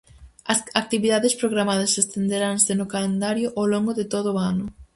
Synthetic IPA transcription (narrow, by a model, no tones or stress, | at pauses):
ɐsak̚t̪iβiðaðespɾoɣɾamaðɐsest̪end̪eɾansenʊkalend̪aɾjʊʔawloŋɡʊðɪt̪oð̞ʊanʊ